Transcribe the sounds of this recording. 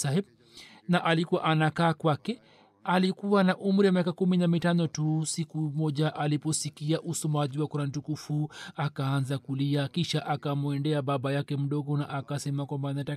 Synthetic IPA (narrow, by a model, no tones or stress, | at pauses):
ahiɓ | naʔalikuwa̰ʔanakaːkwakɛ | alikuwanaʔum̩ɾiwamiakakuminamitanɔtusikumɔʄaʔalipɔsikiaʔusɔmaʄiwakuɾan̩tukufuakaanzakuliakiʃaʔakamuɛndɛaɓaɓajakɛm̩ɗɔɡɔnaʔakasɛmakwambaːnata